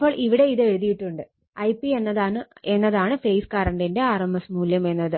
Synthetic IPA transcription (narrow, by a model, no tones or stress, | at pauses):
pːo̞ːɭʔiʋiɽe̞iðɨe̞ɻuðijiʈːuɳɖɨ | ɐjpːienːɐðaːɳɨe̞nːɐðaːɳɨfejskɐɾɐɳɖinde̞aːrɐmbɐsmuːljɐme̞nːɐðɨ